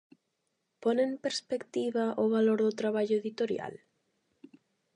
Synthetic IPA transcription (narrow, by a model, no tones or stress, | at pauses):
ponempeɾspekt̪iβaʔoβaloɾðʊt̪ɾaβ̞aʎʊeðit̪oɾja̰l